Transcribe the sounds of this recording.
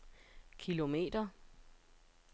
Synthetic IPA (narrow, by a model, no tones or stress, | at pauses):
kʰilo̝me̝̰ːd̥ɐ